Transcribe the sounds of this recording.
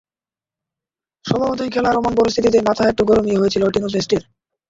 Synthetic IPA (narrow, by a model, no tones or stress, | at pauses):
ʃɔbʱabot̪ijkʰɛlaɾɔmonpoɾis̬t̪ʰit̪it̪̬emat̪ʰaek̚ʈuɡɔɾomieojet͡ɕʰiloʈinosesʈiɾ